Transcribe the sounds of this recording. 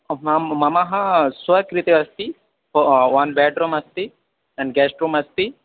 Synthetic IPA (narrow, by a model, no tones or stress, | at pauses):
mmɐmaɦɐ̃sʋɐkɾit̪eʋɐst̪i | ʋɐnbɛːɖɾumɐst̪i | ɛɳɖɡɛːsʈɾumɐst̪i